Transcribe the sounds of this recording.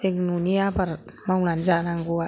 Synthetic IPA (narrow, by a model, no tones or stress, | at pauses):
eknuniabaɾmaŋland͡ʒanaŋɡua